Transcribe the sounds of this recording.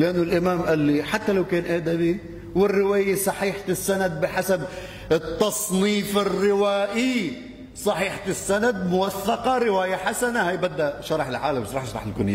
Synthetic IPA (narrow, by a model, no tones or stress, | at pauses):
lɪʔanːʊlʔɪmaːmʔalːiħat̪ːalawkeːnʔaːd̪abi | wɪrːɪwaːjasˤɑħiːħt̪ɪsːanad̪̚bɪħasab | ɪt̪ːɑsˤniːfɪrːɪwaːʔi | sˤɑħiːħat̪ɪsːanad̪̚mʊwaθːɑqɑɾɪwaːjaħasanahajbad̪ːaʔʃɑɾˤɑħɪlʕaːlamɪʃɾˤɑːħʃɑɾˤɑ̰ħɪlkʊnja